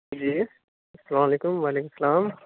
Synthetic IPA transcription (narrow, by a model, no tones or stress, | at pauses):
d͡ʒiː | ɐsɐlaːmaleːkʊmʋaleːkʊmsɐlaːm